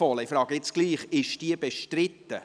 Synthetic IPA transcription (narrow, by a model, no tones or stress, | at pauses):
ɔləɪifɾɑːɡəɪt͡sɡ̥liːχɪʃd̥iəbeʃtɾɪt̪ːə